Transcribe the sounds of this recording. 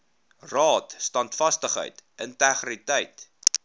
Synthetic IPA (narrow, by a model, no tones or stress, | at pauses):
rɑːtstɐntfɐstəχɦə̰jtʔəntæχritəjt